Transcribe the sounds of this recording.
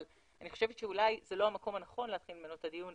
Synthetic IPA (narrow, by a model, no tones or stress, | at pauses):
l | aniχo̞ʃevet̪ʃeulajzelo̞hamako̞manaχo̞nleat̪χilmenotad̪ijun